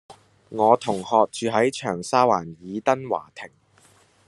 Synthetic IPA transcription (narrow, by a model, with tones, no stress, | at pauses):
ŋɔː˨˧t̪ʰʊ˨˩ŋhɔː˨˧k̚t͡ʃyː˨˧ɦɐ˨˥jt͡ʃʰœː˨˩ŋsaː˥waː˨˩njiː˨˧t̪ɐ˥nwa̰ː˨˩t̪ʰɪ˨˩ŋ